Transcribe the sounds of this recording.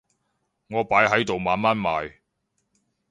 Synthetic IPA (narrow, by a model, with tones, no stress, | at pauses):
ŋɔː˨˧paː˨˥jɦɐ˨˥jt̪o˨wmaː˨˧nmaː˥nmaː˨j